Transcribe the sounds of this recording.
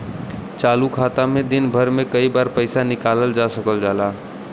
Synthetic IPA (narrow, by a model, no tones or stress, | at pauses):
t͡ʃaːlukʰaːt̪amẽd̪ɪnbʱəɾmẽkəibaːɾpəɪsanɪkaːləld͡ʒaːsəkəld͡ʒaːlaː